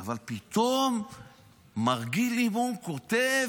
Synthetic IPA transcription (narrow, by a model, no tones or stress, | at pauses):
avalpit̪om | maʁɡiliboŋkot̪e